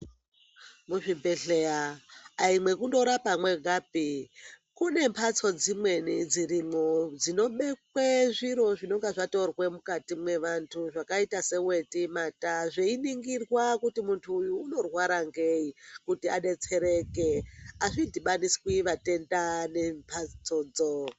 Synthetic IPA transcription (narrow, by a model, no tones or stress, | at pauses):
muʐimbeɬeaaimwe̞kundo̞ɾapamwe̞ɡʱaːpikune̞mpʰat͡so̞d͡zimwe̞nid͡ziɾimod͡zino̞ɓe̞kweʐiɾo̞ʐino̞ŋɡaʐato̞rwemukatimwe̞ʋantʰuʐakaitase̞we̞timataʐeiniŋɡirwakutimuntʰuːjuːno̞rwaɾaŋɡeikutiaɗe̞t͡se̞ɾe̞ke̞aʐindiɓanisi̥kiʋate̞ndane̞mpʰat͡sod͡zo